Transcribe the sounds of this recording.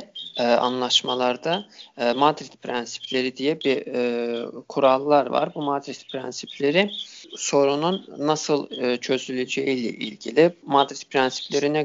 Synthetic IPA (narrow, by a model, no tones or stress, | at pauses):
a̰nlˠaʃmalˠaɾd̪aːmad̪ɾit̪pʰɾænsi̥pʰlʲe̞ɾid̪ijɛbi | kʰuɾalˠːaɾva̰ɾbumad̪ɾit̪pʰɾænsipʰlʲe̞ɾɪso̞ɾununːasɯlˠɯt͡ʃʰø̞zylʲyd͡ʒeijlʲɛ̰ʔḭlʲɟilʲimad̪ɾit̪̚pʰɾænsi̥pʰlʲe̞ɾinɛ